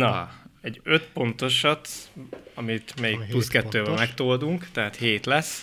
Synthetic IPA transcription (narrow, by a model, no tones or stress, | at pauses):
nɒɛɟːøt̪po̞nt̪o̞ʃɒt̪ɒmit̪mɛjik̚pluskɛt̪ːøːbɛmɛkt̪oːld̪uŋkt̪ɛɦaːt̪heːt̪lɛs